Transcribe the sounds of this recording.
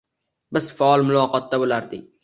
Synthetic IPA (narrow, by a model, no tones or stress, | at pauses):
bɪz̥faɒlmʊlˠɒːqɒt̪̚ːabolaɾd̪ɪk̚ʲ